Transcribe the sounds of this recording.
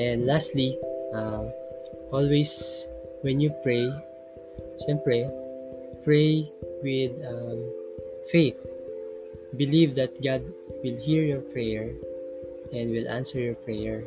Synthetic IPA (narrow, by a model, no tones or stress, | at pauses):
ɛ̃nd̪last̪li | ʔɔlwejs | wɛ̃njupɹej | ʃɛ̃mpɹɛ | pɹejwɪd̪ | fejθ̚ | bɪlivd̪ɐt̪̚ɡad̪̚ | wɪlhiɹjɔɹpɹɛjɛɹ | ʔɛ̃nd̪wɪlʔã̰nsɛɹjɔɹpɹɛjɛɹ